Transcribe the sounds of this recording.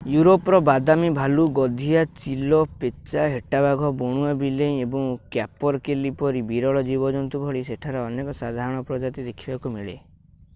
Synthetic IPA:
juɾopɔɾɔbad̪amibʱaluɡɔd̪ʱijat͡ʃilɔpet͡ʃaɦeʈabaɡʱɔbɔɽ̃uabileĩebɔŋkjapɔɾkelipɔɾibiɾɔɭɔd͡ʒibɔd͡ʒɔnt̪ubʱɔɭiseʈʰaɾeɔnekɔsad̪ʱaɾɔɽ̃ɔpɾɔd͡ʒat̪id̪ekʰibakumiɭe

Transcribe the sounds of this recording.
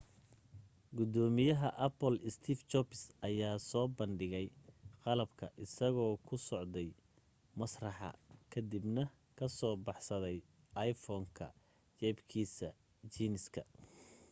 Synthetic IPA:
ɡʊd̪ɔːmɪjɐɦɐʔɐpɔlɪst̪ʰiːft͡ʃɔpɪsɐjaːsɔːbɐnɖɪɣɛjqɑlɐbkʰɐʔɪsɐɣɔːkʰʊsɔʕd̪ɛj | mɐsrɑħɑ̰kʰɐd̪ibnɐ | kʰɐsɔːbɑħsɐðɛj | ɑjfɔːŋkʰɐ̰ | t͡ʃɛbkʰiːsɐ | t͡ʃiːnɪskʰɐ

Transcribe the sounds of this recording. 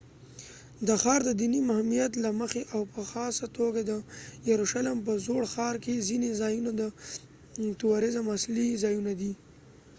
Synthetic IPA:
d̪əxɑɾd̪əd̪inimahmijat̪laməxeʔawpəxɑsat̪oɡad̪əjaɾuʃalɪmp̬əzoɽxɑɾkezinezɑjunod̪ə | t̪awaɾɪzamaslizɑjunad̪i

